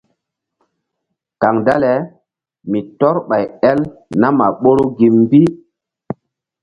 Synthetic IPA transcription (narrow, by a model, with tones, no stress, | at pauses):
ka˨ŋda˦lɛ˨˦ | mi˨tɔ˦ɾɓa˨jɛ˦lna˦ma˨ɓo˦ɾo˦ɡi˨mː˦bi˦